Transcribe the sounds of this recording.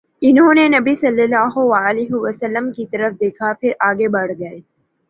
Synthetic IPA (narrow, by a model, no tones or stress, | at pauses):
ɪnɦõːnenɐbisɐlːəlaːɦoʋaːliɦɪʋəsəlːəmkit̪ɐɾəfd̪eːkʰapʰɪɾʔaːɡebɐɽ̤ɡɐeː